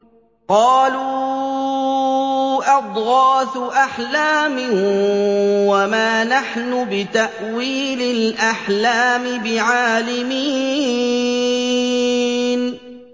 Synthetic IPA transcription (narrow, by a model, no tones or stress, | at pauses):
qɑːluuː | ʔɑd̪ˤɣɑːθʔaħlaːmɪ | wamaːnaħnʊbɪt̪aʔ | wiːlɪlʔaħlaːmɪbɪʕaːlɪmiː | n